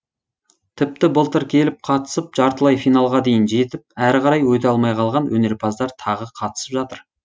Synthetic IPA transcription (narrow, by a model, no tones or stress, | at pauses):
t̪ʰɪp̚t̪ɪbəlˠt̪əɾkʲʰe̞lɪp̚qʰɑt̪ə̥səp̚ʒɑɾt̪əlˠɑjfijnɑlˠʁɑd̪e̞jɪnʒe̞t̪ɪp̚æɾqɑɾɑjwɵt̪eɑlˠmɑjqʰɑlˠʁɑnwʔɵne̞ɾpʰɑzd̪ɑɾt̪ʰɑʁəqʰɑt̪ə̥səpʒɑt̪əɾ